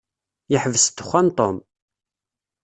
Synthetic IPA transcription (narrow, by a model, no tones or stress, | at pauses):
jəħvəst̪ːə̥χʷːænt̪ˤom